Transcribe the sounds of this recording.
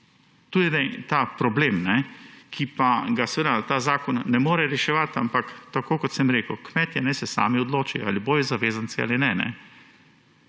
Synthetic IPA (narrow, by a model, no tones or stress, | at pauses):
t̪uːd̪inɛt̪apɾɔbleːmnɛkʰipaɡasɛʋeːd̪at̪aːzaːkɔnːɛmoːɾɛɾɛʃɛʋat̪ampakt̪akoːkɔt̪sɛmɾeːkukmɛt̪jɛnɛsɛsa̰ːmiɔd̪loːt͡ʃialiboːjizaʋeːzant̪t͡s̪ia̰linɛnɛ̰